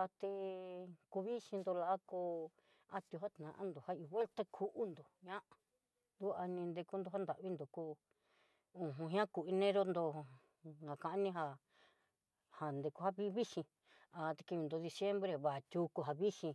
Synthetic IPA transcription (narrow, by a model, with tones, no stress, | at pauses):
a˧t̪e˧ku˧βi˦ʃĩ˧nd̪o˧la˧a˦ko˧ | a˧t̪ju˧ɦa˦t̪nã˨ʔã̰˦nd̪o˨ha˦i˧βe˦lt̪a˦kʰu˧ʔu˦nd̪o˨ɲã˦ʔa˨˧ | d̪u˦a˧nĩ˧nd̪e˧ku˦nd̪o˧ɦa˦nd̪a˨ʔβi˦nd̪o˨ku˧ | ũ˧˨ɦũ˧ɦĩ˦ã˦ku˧i˧nẽ˦ɾo˦nd̪o˧ | ɡa˨kã˧ʔa˦nĩ˦ɦa˧ | ha˨nd̪e˧ku˧ha˦βi˦βi˦ʃĩ˧ | a˧t̪e̥˧ki˧βi˧nd̪o˧ði˧sje˦mbɾe˧βa˨t̪ʲu˧ku˧ɦa˧βi˦ʃĩ˧